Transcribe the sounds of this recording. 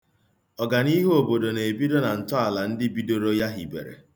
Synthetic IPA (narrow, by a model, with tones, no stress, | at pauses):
ɔ˨ɡa˨ni˦ɦo˨bo˨do˨ne˨e˨bi˦do˦na˨n̩˨tɔ˦a˨la˨n̩˦dɪ˦bi˦do˦ɾo˦ja˦ɦi˨bḛ˨ɾḛ˨